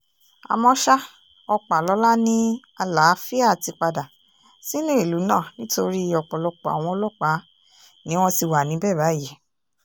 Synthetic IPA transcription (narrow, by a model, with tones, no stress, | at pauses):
a̰˨˧mɔ̃˧ʃa˦ | ɔ˧k͡pa˨lɔ˨˦la˦nĩ˦ | a˧la˨˦fi˦a˦˨ti˧k͡pa˧da˨ | si˦nũ˦i˦˨lu˨˦nãː˦˨nĩ˦to˧ɾi˦ɔ˨k͡pɔ˨lɔ˧k͡pɔ˨a̰˨w̃ɔ̃˧ɔ˧lɔ˦k͡pa˨˦ | nĩ˨˦w̃ɔ̃˧ti˧wa˨nĩ˨˦bɛː˦˨ba˨˦ji˦˨